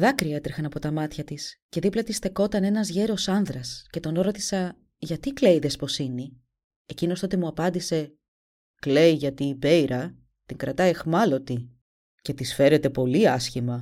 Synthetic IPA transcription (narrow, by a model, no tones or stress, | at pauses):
ðɐkɾiɐe̞t̪ɾixɐnɐpo̞t̪ɐmɐt̪çɐt̪isce̞ðiplɐt̪isθe̞ko̞t̪ɐne̞nɐzʝe̞ɾo̞sɐnðɾɐsce̞t̪o̞noɾo̞t̪i̥sɐ | ʝɐt̪ikle̞iðe̞spo̞sini | e̞cino̞st̪o̞t̪emuɐpɐnd̪ise̞ | kle̞jʝɐt̪iːbe̞iɾɐ | t̪iŋɡɾɐt̪ɐexmɐlo̞t̪i | ce̞t̪isfe̞ɾe̞t̪e̞po̞liɐsçimɐ